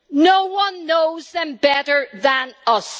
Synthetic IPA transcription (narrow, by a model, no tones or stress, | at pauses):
noʊwʌ̃nːoʊzðɨ̃mbɛɾə˞ðə̃nʌs